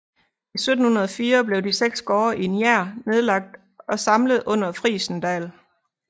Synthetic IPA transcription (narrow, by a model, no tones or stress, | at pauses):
isød̥n̩hunɐð̞ˠɒfiːɐb̥le̝ʊd̥iseɡ̥sɡ̥ɒːɐʔienjæɐ̰ne̝ð̞ˠlɑ̈ɡ̥̚d̥ | ɒ̽sɑ̈mləð̞̩ˠʔɔ̽n̰ɐfʁḭːsn̩d̥ɛ̰ːl